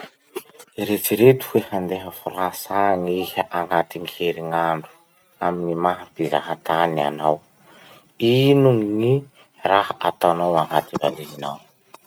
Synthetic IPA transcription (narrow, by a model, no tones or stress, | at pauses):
iɾet͡siɾet̪u̥fuehand̪eɦəfuɾasaŋihaʔaŋat̪iŋiheɾiŋaɳɖ͡ʐu̥ | aminimaɦapiza̰ɦat̪ana̰naw | inuŋŋi | rahaʔat̪anawaŋat̪iva̰liɦinaw